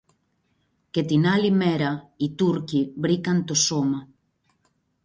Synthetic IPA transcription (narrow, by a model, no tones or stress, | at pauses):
ket̪inalimeɾait̪uɾkibɾikant̪osoma